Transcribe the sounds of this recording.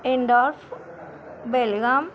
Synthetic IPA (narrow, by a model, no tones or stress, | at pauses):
eɳɖɔːɾf | belɡaːm